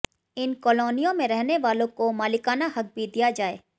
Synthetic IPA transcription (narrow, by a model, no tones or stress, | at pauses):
ɪnkɔːloːnijõmẽɾɛɦneʋaːlõkomaːlɪkaːnahɐk̚bʱid̪ijad͡ʒaːḛː